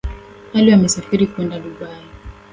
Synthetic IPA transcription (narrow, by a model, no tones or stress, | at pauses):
haliamɛsafiɾikuɛndaɗuɓai